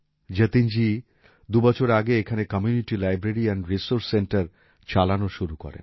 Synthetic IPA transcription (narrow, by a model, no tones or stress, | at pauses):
d͡ʑət̪ind͡ʑi | d̪ubɔt͡ɕʰoɾaɡeekʰanekɔmjuniʈilajbɾeɾiɛnɾisoɾsːeɳʈaɾ | t͡ɕalanoʃuɾukɔ̰ɾḛn